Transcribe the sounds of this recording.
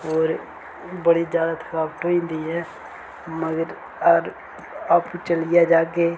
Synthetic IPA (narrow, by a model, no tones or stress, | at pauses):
oːɾ | bəɽid͡ʒjaːd̪at̪xəɾaːbʈ̪oĩnd̪iɛ̃ | məɡəɾ | əɡəɾ | aːpkut͡ʃəlijad͡ʒaːɡe